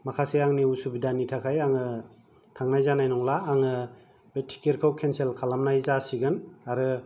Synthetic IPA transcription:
makʰaseaŋniusubidanitʰakʰajaŋɯ | tʰaŋnajzanajnɔŋlaːŋɯ | betʰi̥keɾkʰawkʰenselkʰalamnajzasiɡɯnaɾɯ

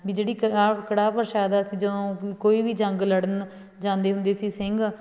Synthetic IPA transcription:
biːd͡ʒeːɽiːkakəɽaːpəɾʃaːd̪aːsiːd͡ʒəd̪õːkoːiːʋiːd͡ʒəŋɡləɽən | d͡ʒãːnd̪eːɦʊnd̪eːsiːsɪŋɡ

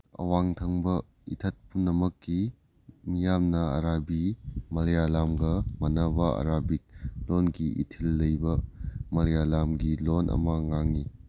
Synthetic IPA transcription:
ɐ̰waŋtʰɐŋbɐ | ḭtʰɐt̚punːɐmɐkːi | nijamnɐɐ̰ɾabimɐljalamɡɐmɐnɐbɐɐ̰ɾabik̚lonɡiḭtʰilːɐjbɐmɐljalamɡilonʔɐ̰mɐŋaŋi

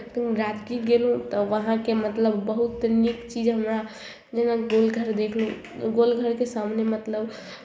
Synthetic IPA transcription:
t̪ɾad͡ʒɡiɡelɦũt̪ɔʋəɦãkemət̪ləbːəɦut̪nikt͡ʃid͡ʒɦəmɾa | d͡ʒenaɡolɡʱəɾd̪ekʰlũ | ɡolɡʱəɾkesamnemət̪ləb

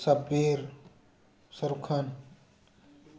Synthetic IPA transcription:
sɐbeɾ | sɐɾukʰɐn

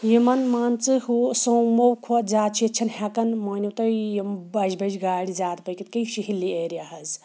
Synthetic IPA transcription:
jimɐnmaːnt͡sɨhusɐwmowkʰuɐt̪zaːt̪t͡ʃʰiɐt͡ʃʰɐnhɐkɐnmɐːnʲiwt̪ɐjimbɐd͡ʒbɐd͡ʒɡaːɽizaːt̪pɐjkit̪̚kɐjʃiɦilːieːɾijaɦɐz

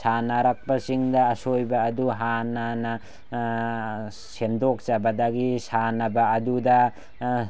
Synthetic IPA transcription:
sanaɾak̚pɐsiŋdɐːsojbɐːduɦanːanɐ | sendok̚zabɐdɐɡisanɐbɐːdudɐ

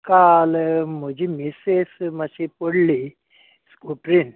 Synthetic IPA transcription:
kalmod͡ʑimisesmasipəɽli | skuʈɾin

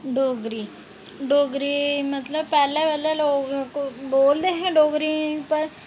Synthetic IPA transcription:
ɖoːɡɾi | ɖoːɡɾimət̪ləbpɛːleʋɛleloːɡkoboːld̪eɦɛ̃ɖoːɡɾipəɾ

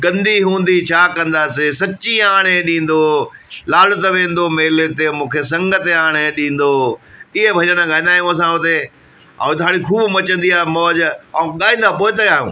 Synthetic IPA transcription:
ɡɐ̃nd̪ʱiɦũːn̆d̪it͡ɕʰaːkɐ̃nd̪aːsesɐt͡ɕiaːɽ̃eɗĩːn̆d̪olaːlʊt̪ɐʋẽːn̆d̪omeːlet̪emũːkʰes̬ɐ̃ŋɡət̪eaːɽ̃eɗĩːn̆d̪oːɪɦebʱɐɲəɽ̃ãɠaːĩnd̪aːijũəs̬ãɦʊt̪e | ã̰ːd̪aːɽ̃ikʰuːbmɐt͡ɕə̃nd̪iaːmɔːʄɠaːĩːnd̪apoːɪt̪ɐjaːɦjṵ̃ː

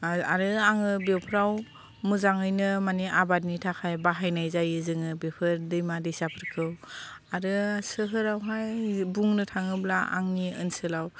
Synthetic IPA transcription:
aɾɯaŋɯbewpʰɾaw | muzaŋɯjnɯmaniʔabat̬̚nitʰakʰajbaɦajnajzajɯzɯŋɯbepʰɯɾdɯjmadɯjsapʰɯɾkʰɯwaɾɯsɯɦɯɾawɦajbuŋnɯtʰaŋɯblaʔa̰ŋniɯnsɯlaw

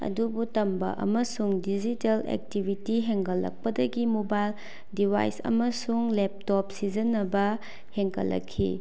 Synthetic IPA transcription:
ɐ̰dubutɐmbɐ̰ʔɐ̰mɐsuŋdid͡ʒitelḛk̚tibʱitiɦeŋkɐlːɐ̰k̚pɐdɐɡimobajl | dibʱa̰jsɐ̰mɐsuŋlep̚tɔpsizɐnːɐbɐ | heŋkʰɐ̰lːɐ̰kʰːḭ

